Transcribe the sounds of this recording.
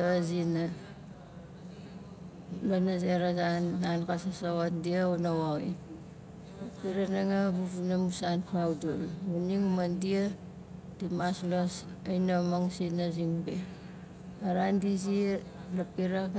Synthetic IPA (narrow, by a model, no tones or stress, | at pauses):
zina | lonazeɾazanːankasasawandiaonawawḭ | ɐpiɾanaŋabubunamusanpʰawdoluniŋmɐndija | dimaslasɐjnamaŋsinaziŋbe | aɾandizilɐpiɾak